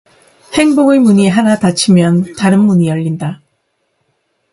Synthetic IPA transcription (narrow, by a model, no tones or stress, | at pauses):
he̞ŋboɡemuɲiɦanatat͡ɕʰimjʌntaɾɯnmuɲijʌʎːinda